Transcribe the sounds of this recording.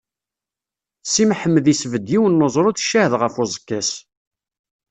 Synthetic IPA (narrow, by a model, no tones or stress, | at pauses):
simħəmːəðisvəd̪jiwənːozˤɾˤʊθʃːæhəðʁəfozˤə̥kːæs